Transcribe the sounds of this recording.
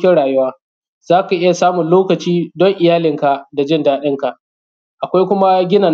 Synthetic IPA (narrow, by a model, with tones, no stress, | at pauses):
kʲɪ˦ɽaː˨jʊ˦waː˦ | z̥aː˦ka˨ʔɪ˦ja˨saː˦mʊ˨nloː˦kɐ˨t͡ʃiː˦dɔ˦ŋʔɪ˨jaː˦lɪ˨ŋka˨ʔda˨d͡ʒɪ˦ndaː˦ɗɪ˦ŋka˨ʔ | ʔa˨kʷa˦jkʷʊ˦ma˦ɡʲɪ˦na˨